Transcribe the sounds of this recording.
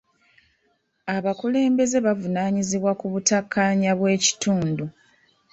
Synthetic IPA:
aβakule̞ːmbe̞ze̞βavunaːɲiziβwakuβutakʰːaːɲaβwe̞ːci̥tuːndu

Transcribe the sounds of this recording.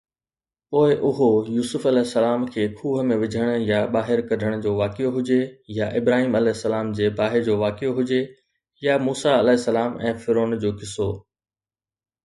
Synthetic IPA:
poːɪʔʊɦojuːsʊfɐlɛːɦɪsːɐlaːmkʰeːkʰuːɦə̆mẽʋɪd͡ʑʱəɽ̃ʊ̆jaɓaːɦɪɾkɐɖʱəɽ̃d͡ʑoːʋaːkɪjoɦʊd͡ʑejaʔɪbɾaːɦiːmɐlɛːɦɪsːɐlaːmd͡ʑeːbaːɦɪɾd͡ʑoːʋaːkɪjoɦʊd͡ʑe | jamuːsaɐlɛːɦɪsːɐlaːmɛ̃ːfɪɾoːnd͡ʑoːkɪsoː

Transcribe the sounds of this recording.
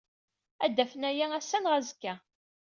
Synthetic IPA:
æd̪ːæfənæjææsːænʁæzəkːæ

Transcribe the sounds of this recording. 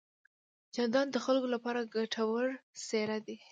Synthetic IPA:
d͡ʒɑnd̪ɑnd̪əxalkolapɑɾaɡaʈʰawəɽseɾad̪e

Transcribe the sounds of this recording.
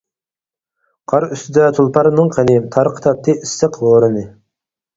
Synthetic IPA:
qʰɑɾyst̪ʰɪd̪ɛt̪ʰulˠpʰɑɾnɨŋqʰənɪt̪ʰɑɾqʰə̥t̪ʰɑp̚t̪ʰɨʔisːɨqʰloːɾɨnɨ

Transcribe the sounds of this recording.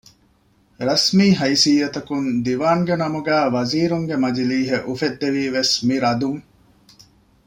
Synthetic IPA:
ɾɐsmiːɦɐjsiːɐt̪ɐkund̪iʋaːŋɡenɐmuɡæːʋɐziːɾuŋɡemɐd͡ʒiliːɦeʔufed̪ːeʋiːʋesmiɾɐd̪uŋ

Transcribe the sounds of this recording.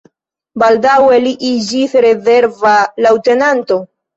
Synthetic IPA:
baldaweliʔid͡ʒisɾe̞ze̞ɾvalawte̞nanto̞

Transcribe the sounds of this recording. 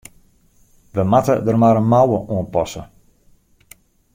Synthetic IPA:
ʋəmatədərmaɾənmawəʔuənpɔsə̰

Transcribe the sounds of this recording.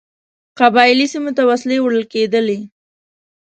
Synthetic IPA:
qabɑɪlisimot̪awaslewɽəlked̪əle

